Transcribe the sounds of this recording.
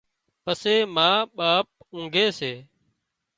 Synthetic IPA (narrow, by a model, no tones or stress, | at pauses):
pəseːmãːɓaːp̚ũːŋɡʱeːseː